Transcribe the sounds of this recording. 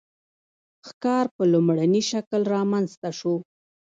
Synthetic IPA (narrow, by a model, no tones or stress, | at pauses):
xkɑɾpəlʊmɽaniʃaklɾɑmanzt̪aʃu